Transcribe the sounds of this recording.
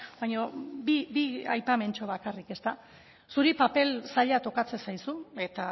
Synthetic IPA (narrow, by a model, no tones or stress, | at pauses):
bajɲobibia̰jpame̞nt͡ʃo̞β̞akarike̞st̪a | suɾipape̞lsaʎat̪o̞kat͡se̞sajsue̞t̪a